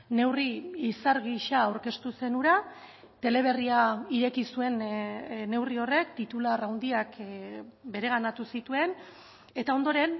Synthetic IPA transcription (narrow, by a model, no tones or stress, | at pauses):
ne̞wriisaɾɣiʃaːwɾke̞st̪use̞nuɾa | t̪e̞le̞β̞e̞riaiɾe̞kisue̞nne̞wrio̞re̞k̚t̪it̪ularawnd̪iak | be̞ɾe̞ɣ̞anat̪usit̪ue̞n | e̞t̪ao̞nd̪o̞ɾe̞n